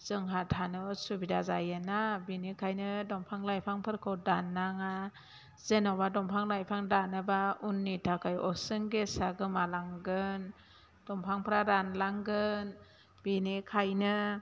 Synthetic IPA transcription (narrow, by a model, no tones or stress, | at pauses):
z̥ɯŋɦatʰanɯsubidazajenabinikʰajnɯdɔmpʰaŋlajpʰaŋpʰɯɾkʰɯdanːaŋa | zenɔbadɔmpʰaŋlajpʰaŋdanɯbaunːitʰakʰajɔsɯŋɡesaɡɯmalaŋɡɯn | d̥ɔmpʰaŋpʰɾaɾanlaŋɡɯn | b̥inikʰajnɯ